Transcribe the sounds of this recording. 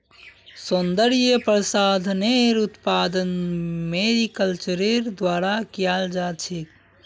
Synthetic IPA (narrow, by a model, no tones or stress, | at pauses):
sund̪əɾjepɾəsad̪ʱneɾut̪pad̪ənmeɾikəlt͡ʃəɾeɾd̪ʋaɾakijald͡ʒat͡ʃʰik